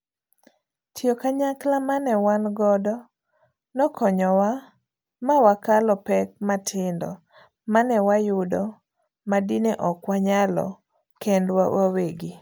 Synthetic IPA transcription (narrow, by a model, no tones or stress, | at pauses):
tjokaɲaklamanɛwanɡɔdɔ | nɔkʰɔɲɔwa | mawakalɔpɛk̚matʰɪndɔ̰ | manɛwajʊdɔ | madinɛʔɔkwaɲalɔ̰ | kɛndwa̰waweɡi